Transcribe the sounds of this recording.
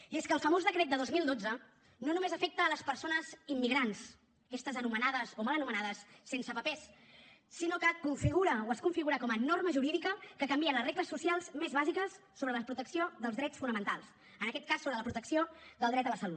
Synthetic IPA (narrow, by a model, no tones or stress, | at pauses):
ieskəːlˠfəmozðəkɾɛt̪̚d̪əðozmilˠd̪od͡zə | nonumezəfek̚t̪əːləspəɾsonəzimːiɣɾans | kɛst̪əzənumənaðəsomalənumənaðəsːensəpəpɛsː | inokəkuɱfiɣuɾəoəskuɱfiɣuɾəkɔmənorməʒuɾiðikəkəkəmbiənləzreɣləsːusialˠzmezβazikəsːoβɾələpɾut̪əksioðəlˠzðɾɛt͡sfunəmənt̪alˠs | ənəkɛt̪̚kasːoβɾələpɾut̪əksiod̪əlˠd̪ɾɛt̪dəβəɾsəlonə